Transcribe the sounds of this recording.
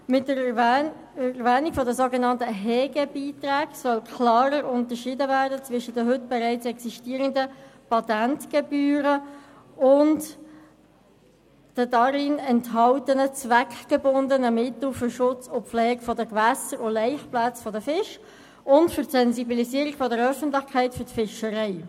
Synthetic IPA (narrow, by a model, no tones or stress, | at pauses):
mɪtə | ɛvɛːnikfɔdəsoɡenɑntəɦɛːɡəbiːtræːɡ̥sœlkʰlɑːɾəɾʊntəʃiːdəvæːɾdət͡svɪʃədəɦʏtb̥ɛɾæɪt͡sɛksiʃtiːəɾəndəpɑtæntɡ̥ebyːɾə | ʊnt | d̥ədɑɾɪnɛntɦɑʊtənət͡svækɡ̥ebʊndənəmɪtl̩fʏɾʃʊt͡sʊpflɛːɡfɔdəkvæsəɾʊlɛɪχplat͡sfɔdəfɪʃ | ʔʊntfʏɾtsɛnzibilisiːəɾikfɔdəɾœfən̩tlɪxkʰæɪtfʏɾtfɪʃəɾɛɪ